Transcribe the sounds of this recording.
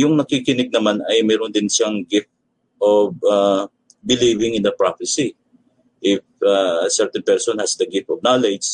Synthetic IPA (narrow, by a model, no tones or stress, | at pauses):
jʊŋnɐkikɪnɪɡ̚nɐmanɐjmɛːɾʊnd̪ɪnʃaŋɡɪf̚t̪̚ | ʔoba | bɪlivɪŋɪ̃nd̪ɐpɹafɛsi | ʔɪfasɛɹt̪ɛnpɛɹsonhɐsd̪ɐɡɪf̚t̪ɔvnalɛd͡ʒ